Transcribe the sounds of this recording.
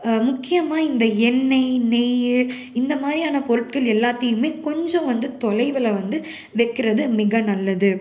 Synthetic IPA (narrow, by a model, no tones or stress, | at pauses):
mʊkːɪjɐmaːɪnd̪ɐɛnːɐɪnɛjɯ | ɪnd̪ɐmaːd̪ɾijaːnɐpɔɾɯʈɡɐɭɛlːaːt̪ːɐjɯmeːkɔɲd͡ʒõʋɐnd̪ɯt̪ɔlɐɪʋɪlɐʋɐnd̪ɯ | ʋɛkːɪɾɐðɯmɪɣɐnɐlːɐðɯ